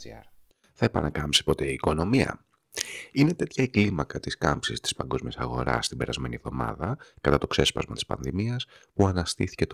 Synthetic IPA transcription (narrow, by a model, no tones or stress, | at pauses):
ɾ | θɐe̞pɐ̰nʔɐkɐmpsi̥po̞t̪e̞iːko̞no̞miɐ̰ | ine̞t̪e̞t̪çɐeklimɐkɐt̪iskɐmpsist̪i̥spɐŋɡo̞zmiɐsɐɣo̞ɾɐ̰sːt̪ibe̞ɾɐzme̞nievðo̞mɐ̰ðɐkɐt̪ɐt̪okse̞spɐ̰zmɐt̪i̥spɐ̰nðimiɐspuɐnɐst̪iθi̥ce̞t̪